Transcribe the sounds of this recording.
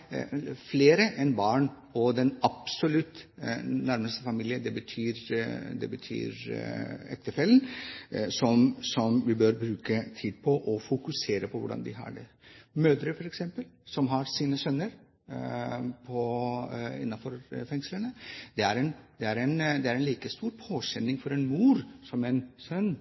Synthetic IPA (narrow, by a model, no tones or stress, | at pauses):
fleːɾəʔɛnbɑːɳ | ɔd̪ɛnɑpsɔlʉt̪næɾməst̪əfɑmiːlɪəd̪ɛbət̪ʰyːɾd̪ɛ̰bət̪ʰy̰ːɾ | ɛk̚t̪əfɛlənsɔmsɔmʋɪbøɾbɾʉːkət̪ʰiːd̪̚pʰɔʔɔfʊkʉseːɾəpʰɔʋʊɖɑ̰nd̪ɪɦɑ̰ɖɛ̰ | møːd̪ɾəfɔɾɛksɛmpəlsɔmɦɑɾsiːnəsœnːəɾ | pʰɔ | ɪ̰nːɑfɔɾfɛŋslənəd̪̥ɛæɾɛnd̪̥ɛæɾɛnd̪ɛæɾɛnliːkəst̪uːɾpʰoːɕɛnːɪŋfɔɾɛnmuːɾsɔmɛnsœnː